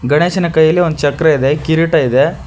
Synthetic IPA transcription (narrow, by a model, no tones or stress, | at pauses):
ɡɐɳeːʃɐnɐkɐjːɐlːiond̪ut͡ʃɐkːɾɐid̪ekiɾiʈɐid̪e